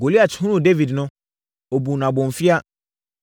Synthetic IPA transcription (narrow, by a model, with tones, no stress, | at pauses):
ɡo˨li˦a˨t͡ɕʰɪ˨˦hũ˦ũ˦˨de˦vi˨dnʊ̃˦ | o˨bu˨n˨ã˨bɔ̃˨ɱ˨fɪ˦a˦